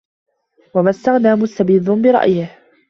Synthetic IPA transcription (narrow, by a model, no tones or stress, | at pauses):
wamast̪aɣnaːmʊst̪abiːd̪ˤʊnbɪɾˤɑ̰ʔjɪh